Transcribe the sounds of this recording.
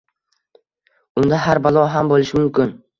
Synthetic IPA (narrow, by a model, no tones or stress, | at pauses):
ʊnd̪aɦaɾbalˠɒɦambolˠɪʃɪmʊmkʲɪn